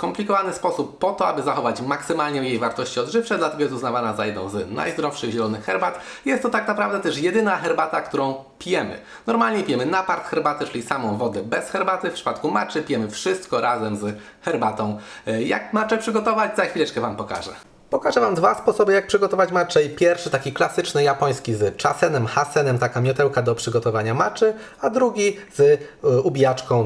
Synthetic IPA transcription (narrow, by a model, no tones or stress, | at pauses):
kɔmplʲikɔvanɘspɔsupːɔt̪ɔabɘzaxɔvat͡ɕmaksɘmalɲɛjejvaɾt̪ɔɕt͡ɕiɔd̪ʐɘft͡ʂɛd̪lat̪ɛɡɔjɛst̪uznavanazajɛd̪nɔ̃w̃znʔa̰jzd̪ɾɔfʂɘɣʑɛlɔnɘxxɛɾbat̪ | jɛst̪ːɔt̪aknapɾavd̪ɛt̪ɛʂjɛd̪ɘnaxɛɾbat̪akt̪uɾɔ̃w̃ | pʲijɛmɘ̰ | nɔɾmalɲɛpʲijɛmɘnapaɾt̪xɛɾbat̪ɛt͡ʂɘlʲisamɔ̃w̃vɔd̪ɛbɛsxɛɾbat̪ɘfpʂɘ̥pat̪kuma̰t͡ʂɘpʲijɛmɘfʂɘst̪kɔɾʔazɛmz | xɛɾbat̪ɔ̃w̃ja̰kmat͡ʂɛpʂɘɡɔt̪ɔvad͡ʑzaxʲfʲilɛt͡ʂkɛvampɔka̰ʐɛ̰ | pɔkaʐɛvamd̪vaspɔsɔbɘjak̚pʂɘɡɔt̪ɔvat͡ɕmat͡ʂɛipʲjɛɾfʂɘt̪akʲiklasɘt͡ʂnɘjapɔj̃skʲizt͡ʂasɛnɛmxasɛnɛmt̪akamʲjɔt̪ɛwkad̪ɔpʂɘɡɔt̪ɔvaɲamat͡ʂɘ | ad̪ɾuɡʲizubʲijat͡ʂkɔ̃w̃